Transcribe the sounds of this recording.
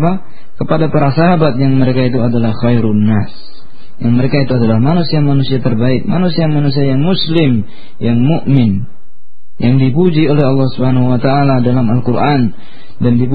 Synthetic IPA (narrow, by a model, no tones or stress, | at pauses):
pa | kəpadapaɾasaɦabat̪̚jaŋməɾekait̪̬uadalahxajɾʊnːas | jaŋməɾekait̪uadalahmanusiamanusiat̪ərbaɪk̚manusiamanus̬iajaŋmuslɪm | jaŋmuʔmɪn | jaŋdipud͡ʒiolɛhɑlːɑhsubhanahuwat̪aːladalamalkurʔan | dandip